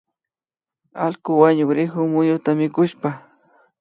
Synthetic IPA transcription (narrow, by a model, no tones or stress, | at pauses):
alkʊwaɲʊkɾɪxʊmʊɲʊt̪amɪkʊʃpa